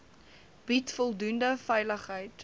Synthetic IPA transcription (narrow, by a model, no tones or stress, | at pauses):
b̥itfɔlˠdundəfɛjləχɦəjt